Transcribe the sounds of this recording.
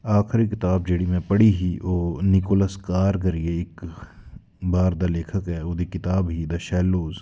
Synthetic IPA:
aːxɾikɪt̪aːb̚d͡ʒeːɽimẽpɐɽiɦioːnɪkoːləskaːɾk̬ɐɾieɪk | baːɾd̪aleːkʰəkɦɛːʊd̪ikɪt̪aːbɦid̪ɐʃɛːloːz

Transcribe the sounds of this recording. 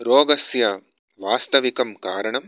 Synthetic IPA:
ɾoːɡɐsjɐ | ʋaːst̪ɐʋikɐmkaːɾɐɳɐm

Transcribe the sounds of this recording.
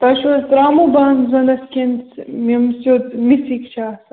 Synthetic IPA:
t̪ɐʃosɾaːmubaːnzɐnɐskʲensmimsot̪misikt͡ʃʰaːs

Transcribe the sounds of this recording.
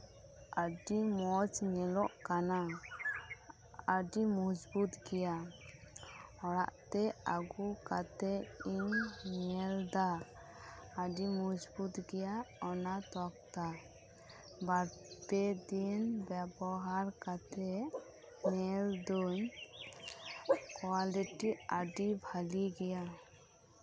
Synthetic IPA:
əɖimɔt͡ʃɲɛlɔʔkana | əɖimɔd͡ʒbut̪ɡɛja | ɔɾa̰ʔt̪ɛaɡukat̪ɛiɲɲɛld̪aː | ɖimɔd͡ʒbut̪ɡɛjaɔnat̪ɔk̚t̪a | baɾt̪ɛd̪inbɛbɔɦaɾkat̪ʰɛ | nɛld̪uɲ | kwaliʈiaɖibʱaliɡɛja

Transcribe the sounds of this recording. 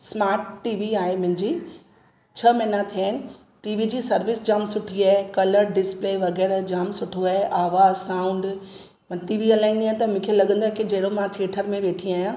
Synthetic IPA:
smaːɾʈːiːʋiaːɦemʊ̃ɦɪ̃ɲd͡ʑiː | t͡ɕʰɐmɐɦnat̪ʰijaːɪnɪ̆ | ʈiːʋid͡ʑiːsɐɾʋɪsd͡ʑaːmsʊʈʰiaːɦekɐləɾɖɪspleʋɐɣɛːɾd͡ʑaːmsʊʈʰoaːɦeʔaːʋaːzsãːʊ̃ɳɖ | mʈiːʋiɐlaːɪnd̪iaːɪt̪ɐmʊ̃ːkʰelɐɡə̃nd̪oɦɛkid͡ʑɐɦɽomãt̪ʰeːʈʰəɾmẽʋeːʈʰiaːjã

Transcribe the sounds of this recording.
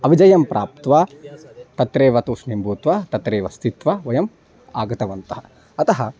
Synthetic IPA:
ɐʋid͡ʒɐjɐmpɾʔaːp̚t̪ʋaːt̪ɐt̪ɾeːʋɐt̪uːsnimbʱuːt̪ʋaːt̪ɐt̪ɾeːʋɐst̪it̪ʋɐʋɐjɐm | aːɡɐt̪ɐʋɐnt̪ɐɦɐ | ɐt̪ɐɦɐ

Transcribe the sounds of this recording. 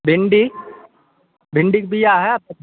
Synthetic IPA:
bɪɳɖi | bʱɪ̃ɳɖikbʱijaɦɛap̚t̪ɐ

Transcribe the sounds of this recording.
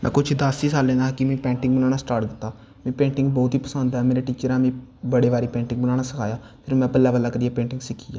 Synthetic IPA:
mɛ̰̃ːkʊt͡ʃʰd̪aːsiːsaːlːẽːnaːkɪmɛ̃ːpɛːɳʈɪ̃ŋɡ̚bənaːnaːsʈaːɾʈd̪ɪt̪ːaː | mɛ̃ːpẽːɳʈɪ̃ŋɡ̚bɔːt̪ɦiːpəsənd̪ɛːmeːɾeːʈiːt͡ʃəɾɛ̃ːmẽːbəɽeːʋaːɾiːpẽːɳʈɪ̃ŋɡbənaːnaːsəkʰaːjaː | pʰɪɾmɛ̃ːpɛlaːbəlːaːkəɾiːaːpẽːɳʈɪŋɡsɪkʰiːja̰

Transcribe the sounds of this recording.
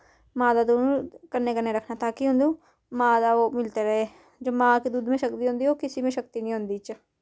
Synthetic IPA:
mãːd̪aːd̪oːnũːkəɾneːkəɾneːɾəkʰnaːt̪aːkiɦʊ̃nd̪ũː | mãːd̪aːoːmɪlt̪eːɾəɦeː | d͡ʒoːmãːkiːd̪uːd̪mẽːʃək̚t̪iːɦʊ̃nd̪iːɦoːkɪsiːmẽːʃək̚t̪iːnĩːɦʊ̃nd̪iːt͡ʃ

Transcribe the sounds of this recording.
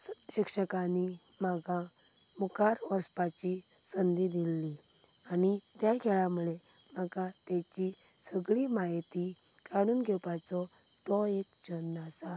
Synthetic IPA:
ɕikʂəkãni | maɡã | mukaɾɔspat͡ɕi | sənd̪id̪ilːi | anit̪jakʰɛɭamuɭe | maɡat̪jat͡ɕi | səɡɭimajt̪i | kaɽ̃uːnɡʱɛpat͡sɔ | t̪ɔekd͡ʑənːasa

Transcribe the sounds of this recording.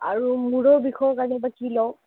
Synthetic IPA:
aɹumuɹɔɹbixɔjɔkaɹnɛbakilɔw

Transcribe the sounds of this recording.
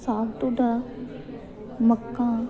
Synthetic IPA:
saːbt̪od̪a | məkːã

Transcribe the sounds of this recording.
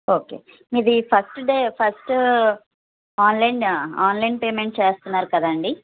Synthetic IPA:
oːke̞̰ː | id̪ipʰɐsʈɖeːpʰɐsʈ | aːnlɐjnaːnlɐjnpeːmeɳʈ̚t͡ʃeːst̪unːaːɾukɐd̪aɐɳɖi

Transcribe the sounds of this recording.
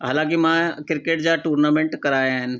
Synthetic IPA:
ɦaːlãːkimãkɪɾkeːʈ̚d͡ʒaʈuːɾnamẽɳʈkɐɾaːen

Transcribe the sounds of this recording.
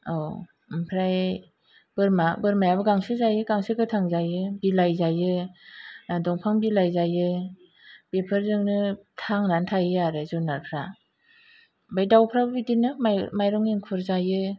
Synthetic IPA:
aw | mpʰɾaj | b̥ɯɾmabɯɾmajabɯɡaŋsɯzajɯɡaŋsɯɡɯtʰaŋzajɯbilajzajɯ | adɔŋpʰaŋbilajzajɯ | bepʰɯɾzɯŋnɯtʰaŋnantʰajɯaɾɯzɔnːaɾpʰɾa | bajdawpʰɾabɯbidinɯmamajɾɔŋiŋkʰuɾzajɯ

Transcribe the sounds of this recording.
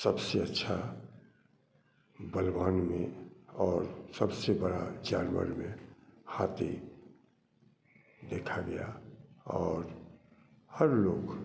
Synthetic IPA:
səbseətːʃʰa | bəlwaːnmẽɔːɾsəbsebəɽa̰d͡ʒaːnwə̰ɾmẽhaːt̪ḛ | d̪eːkʰaɡɐja̰ɔːɾ | həɾloːɡ

